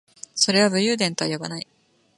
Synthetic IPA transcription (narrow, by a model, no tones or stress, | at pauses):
so̞ɾe̞βabɯ̟jɯːd̪ẽnt̪oβajobanai